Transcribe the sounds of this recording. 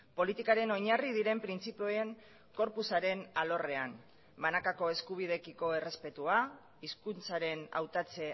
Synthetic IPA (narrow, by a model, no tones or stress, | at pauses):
po̞lit̪ikaɾe̞no̞ɲarið̞iɾe̞mpɾint͡sipeoeŋ | ko̞ɾpusaɾe̞nalo̞re̞an | banakako̞e̞skuβ̞ið̞e̞kiko̞ere̞spe̞t̪ua | iskunt͡saɾe̞na̰wt̪at͡se̞